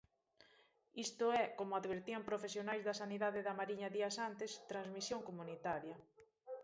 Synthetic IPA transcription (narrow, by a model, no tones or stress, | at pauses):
ist̪ʊɛkomʊaðβeɾt̪iampɾofesjonajzðɐsaniðaðeðamaɾiɲɐðiɐsant̪ɪst̪ɾanzmisjoŋkomunit̪aɾjɐ